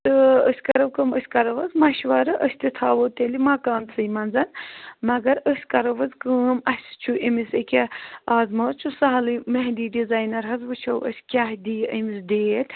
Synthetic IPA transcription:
t̪ɨəsʲkɐɾɐwkəməsʲkɐɾɐʋɐzmɐʃʋɐːɾɐʔəsʲt̪it̪ʰaːʋoːt̪elimakaːnt͡sʰɨjmɐnzɐnmɐɡɐɾəsʲkɐɾɐʋɐzkəːmɐsʲt͡ʃʰuʔimisekʲeaːzmɐːt͡ʃʰusaɦɐlɨmɐɦd̪iːɖizaːjnɐɾɦɐzʋɨt͡ʃʰɐwə̰sʲkʲaɦd̪ʲiːʔɐmisd̪eːt̪ʲʰ

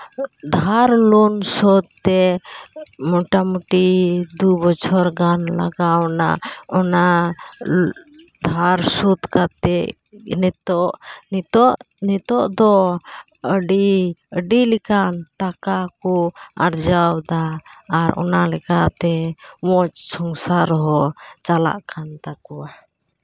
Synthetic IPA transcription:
d̪ʱaɾlunsɔt̪̚ːɛ | mɔʈamuʈid̪ubɔt͡ʃʰɔɾɡanla̰ɡawna̰ɔna | d̪ʱaɾsut̪kat̪ɛ | nɛt̪ɔʔnt̪ɔʔ | nɛt̪ɔʔd̪ɔ | əɖiəɖilikanʈakakɔa̰ɾd͡ʒawd̪aːɾɔ̰nalɛkaʔt̪ɛwɔt͡ʃsɔŋsaɾɔɦɔt͡ʃala̰ʔkʰant̪akua

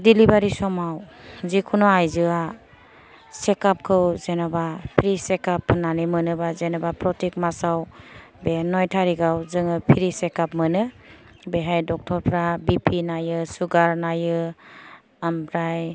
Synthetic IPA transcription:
dilibaɾisɔmawzikʰunɔajzɯa | sekap̚kʰɯwzenɔbapʰiɾisekapʰnanimɯnɯbazenɔbapɾɔtikmasaw | benɔjtʰaɾiɡawzɯŋɯpʰiɾisekap̚mɯnɯ | beɦajdɔk̚tʰɔɾpʰɾabipʰinajɯsuɡaɾnajɯ | ampʰɾaj

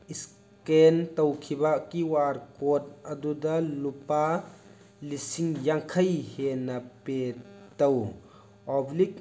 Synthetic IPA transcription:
is | kent̪ɐwkʰibakiwaɾkot̪̚ɐd̪ud̪ɐlupa | lisiŋjaŋkʰɐjhenɐpet̪ɐw | ɔblik̚

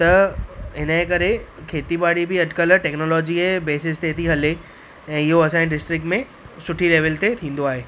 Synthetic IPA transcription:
t̪ɐɦɪnəɦkɐɾekʰeːt̪ibaːɽibɪɐɖkəlʈɛːknoːlɔːd͡ʑiebeːsɪst̪et̪ʰiɦɐle | ɛ̃ːɪɦoɐsãːd͡ʑẽɖɪsʈɾɪk̚ʈmẽ | sʊʈʰileːʋəlt̪et̪ʰĩːn̆d̪oaːɦeː

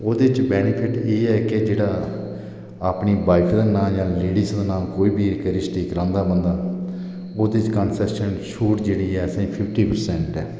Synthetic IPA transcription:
oːd̪eːt͡ʃbɛːnɪpʰɪʈeːɛːked͡ʒeːɽaː | aːpɳiːbaːɪkʰd̪aːnaːjãːleːɽɪsd̪aːnaːlkoːiːbiːkɾɪsʈiːkɾãːnd̪aːbənd̪aː | oːd̪eɪt͡ʃkənsɛːʃənʃuːʈd͡ʒeːɽiːɛːəsẽːpʰɪpʰʈiːpəɾsɛ̃ːɳʈɛː

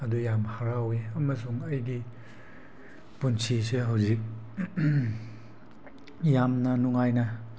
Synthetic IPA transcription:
ɐdujamhaɾaweɐmɐsuŋɐjɡi | punsʰiseɦawzik̚ | jamnɐnuŋajnɐ

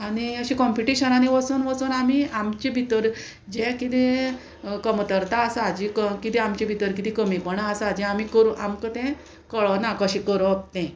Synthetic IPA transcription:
aɽ̃iəɕĩkɔ̃mpiʈiɕənañiʋəsunʋət͡suːnamiamt͡ɕebʱit̪əɾ | d͡ʑɛ̃kit̪ẽ | kəmt̪əɾt̪aːsaad͡ʑikəkit̪ɛ̃amt͡ɕĩbʱit̪əɾkit̪ĩkəmipəɳaasaad͡ʑɛ̃amikəɾuʔamkət̪ɛ̃ | kəɭənakəɕĩkəɾoəp̚t̪ɛ̃

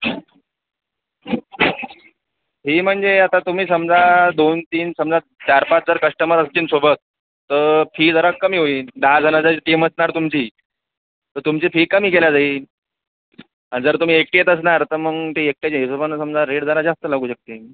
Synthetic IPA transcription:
ɦiːm̤əɳd͡zeat̪ãt̪um̤iːsəmd͡zʱad̪ont̪iːnsəmd͡za | t͡ɕaɾpat͡sd͡zəɾkəʂʈəməɾəst͡ɕiːnsobʱət̪̚ː | əfʰiːd͡zəɾakːəmiːɦoiːd̪ad͡zʱanad͡zaiʈiməsnaɾt̪umt͡ɕiː | t̪ət̪umt͡ɕifʰiːkːəm̤iːkeljad͡zaiː | ãd͡zəɾt̪um̤iːek̚ʈjet̪əs̬naɾt̪əɾməɡt̪eek̚ʈat͡ɕesobʱansəmd͡zaɾeɽd͡zʱalad͡zast̪əlaɡuːɕək̚t̪e

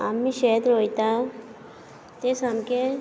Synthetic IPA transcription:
amːiʃeːt̪ɾoːit̪a | t̪esamke

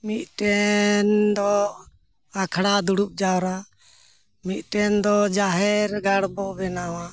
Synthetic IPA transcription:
mit̪̚ʈɛnd̪ɔ | akʰɽad̪uɽup̚d͡ʒawɾa | mit̪̚ˀʈɛnd̪ɔd͡ʒaɦɛɾɡaɽbɔʔbɛnawa

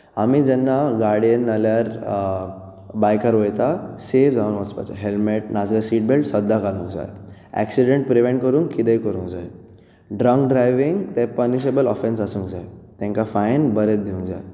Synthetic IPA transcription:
amiːd͡ʑɛnːaɡaɾɽijənːaljaɾ | bajkaɾʋojt̪aseʋd͡zaunʋɔspa̰t͡ɕa̰ɦelmeʈ̚nad͡zlasiːʈ̚belʈsəd̪ʱːakalũŋd͡za̰jæ̰ksiɽẽɳʈ̚pɾiʋẽɳʈ̚kəɾũːŋkːit̪ejkəɾũːŋd͡zaj | ɖɾəŋk̚ɖɾajʋiŋɡt̪ɛ̃pəɾniɕebəlɔfensasũŋɡd͡zajt̪ɛ̃ŋkafajnbəɾet͡sd̪iũŋd͡za̰j

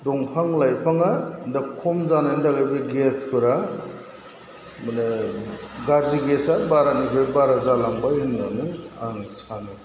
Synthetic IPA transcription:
dɔŋpʰaŋlajpʰaŋadakʰɔmzanajndaɡabɯɡespʰɯɾa | mane | ɡaɾziɡesabaɾanibebaɾazalaŋbajɯnnanɯaŋsanɯ

